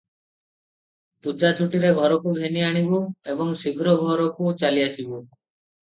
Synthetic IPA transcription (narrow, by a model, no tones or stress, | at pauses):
t̪ud͡ʒat͡ʃʰuʈiɾeɡʱɔɾɔkuɡʱeniaɽ̃ibuebɔŋsiɡʱɾɔɡʱɔɾɔkut͡ʃaliasibu